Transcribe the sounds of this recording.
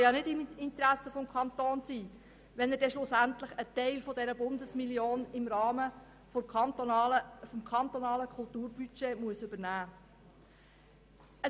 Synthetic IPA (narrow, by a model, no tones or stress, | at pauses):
jɑnɪdɪmɪnt̪əɾæsəfɔmkʰɑnt̪oːnsiː | ʋɛnəɾdɛʃlʊsæntləχət̪ɛɪlfɔdɛɾəbʊnd̪əsmiljoːnɪmɾɑːmə | fɔmkʰɑnt̪ɔnɑːləkʰʊlt̪uːɾbyt͡ʃeːmuəsʏbəɾnæː | ə